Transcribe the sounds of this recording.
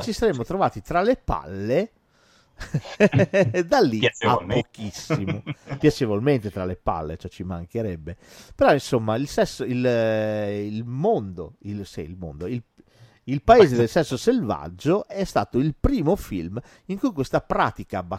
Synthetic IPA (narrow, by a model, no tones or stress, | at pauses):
t͡ʃisaɾemːot̪ɾovaːt̪it̪ɾalepa̰lːe | d̪alːiapːok̟isːimopjat͡ʃevolment̪et̪ɾalepa̰lːḛt͡ʃɛt͡ʃimaŋk̟eɾɛbːe | peɾɔinsomːailsɛsːoil | ilmond̪oilsḭilmo̰nd̪oil | ilpaeːzed̪elsɛsːoselva̰d͡ʒːoʔɛst̪a̰ːt̪oilpɾiːmofilm | iŋkujkwest̪apɾa̰ːt̪ikaːbːa